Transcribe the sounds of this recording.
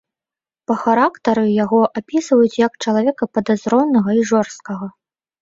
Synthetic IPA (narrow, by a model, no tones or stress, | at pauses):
pɐxaɾakt̪ɐɾɨjaɣɔʔapʲisvɐjut͡sʲjɐkt͡ʂɐlˠavʲɛkɐpɐd̪azɾɔwnːɐɣɐiʐɔrst̪̚kɐɣɐ